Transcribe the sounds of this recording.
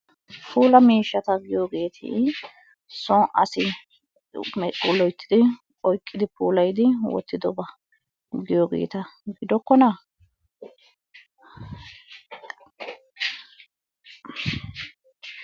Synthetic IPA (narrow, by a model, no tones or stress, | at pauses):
fuːlɐmiːʃːɐt̪ɐɡɪjoːɡe̞ːt̪ʰḭ | sɔʔɐ̰sɪ | mɛkʼːuːlːɔjt̪ːɪd̪ɪ | ɔjkʼːɪd̪ɪpuːlɐjd̪ɪwɔ̰t̪ːɪd̪ɔbɐ | ɡɪjoːɡḛːt̪ɐɡɪd̪ɔkːɔnɐ